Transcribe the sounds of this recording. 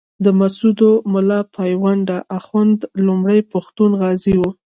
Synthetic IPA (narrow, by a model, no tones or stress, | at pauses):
d̪əmasud̪omʊlɑpʰɑjwaɳɖaʔaxwand̪lumɽəjpaxt̪unɣɑziwu